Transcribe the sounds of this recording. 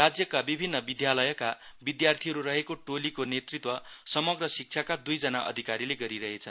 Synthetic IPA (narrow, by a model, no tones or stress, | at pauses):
rad͡zjʌkabibʱinːʌbid̪jalʌjʌkabid̪jart̪ʰiɦʌɾuɾʌɦekoʈolikonet̪rit̪wʌsʌmʌɡrʌsik̚t͡sʰakad̪ujd͡zʌnaʔʌ̰d̪ʱikaɾileɡʌɾiɾʌɦet͡sʰʌ